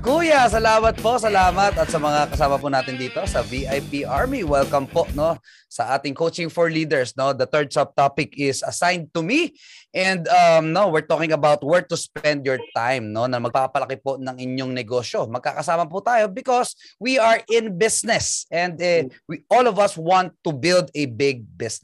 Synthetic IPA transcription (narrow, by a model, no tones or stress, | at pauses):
kuːjɐsɐlaːmɐt̪̚po̞sɐlaːmɐt̪ɐt̪sɐmɐŋakɐsaːmɐpʊnaːt̪ɪnd̪iːt̪o̞sɐviʔajpiʔaɹmiwɛlkɐmpo̞ʔno̞ | sɐʔaːt̪ɪŋkowt͡ʃɪ̃ŋfɔɹliːd̪ɛɹsno̞d̪ɐt̪ɛɹd̪̚sɐb̚t̪apɪkɪsɐsãjnd̪̚t̪ʊmi | ʔɛ̃nd̪ɐmnowɪɹt̪okɪ̃ŋɐbawt̪̚wɛɹt̪uspɛ̃nd̪jɔɹt̪ajmnonɐmɐɡ̚papɐpɐlɐkɪponɐŋɪɲjoŋnɛɡoʃo̞mɐɡ̚ka̰ːkɐsaːmɐput̪aːjobɪkoswiɐɹʔɪ̃nbɪsnɛsɛ̃nd̪ɛwiʔolɔvɐswãnt̪ːubɪld̪ɛbɪɡ̚bɪsn